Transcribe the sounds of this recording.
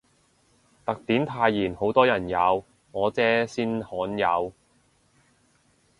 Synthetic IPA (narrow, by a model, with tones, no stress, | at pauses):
t̪ɐ˨k̚t̪iː˨˥nt̪ʰaː˧jːiː˨˩nho˨˥wt̪ɔː˥jɐ˨˩njɐ˨˧w | ŋɔː˨˧t͡sɛː˥siː˥nhɔː˨˥njɐ˨˧w